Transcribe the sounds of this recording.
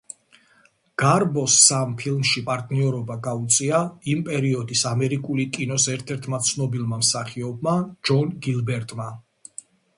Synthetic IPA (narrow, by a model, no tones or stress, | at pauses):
ɡ̥aɾbɔsːampʰilˠmʃipʼaɾt̪ʼniɔɾɔbaɡaut̪sʼiaimpʼɛɾiɔd̪isamɛɾikʼulikʼinɔsɛɾt̪ʰɛɾt̪ʰmat̪sʰnɔbilˠmamsaχiɔbmad͡ʒɔnɡilˠbɛɾt̪ʼma